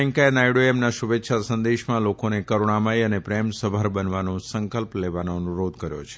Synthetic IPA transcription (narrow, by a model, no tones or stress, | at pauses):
əŋkaenajɽoemnaʃubetːʃʰasə̃nd̪eʃmãlokonekəɾoɳamajənepɾemsəbʱaɾbənʋanõsəŋkəlpleʋanoənuɾod̪kəɾjo̰t͡ʃʰe̥